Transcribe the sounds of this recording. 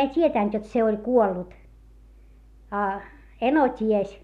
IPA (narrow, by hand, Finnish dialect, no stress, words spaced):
ei tʲietæˑnt jot se olʲ kuolːut ɑ eno tʲies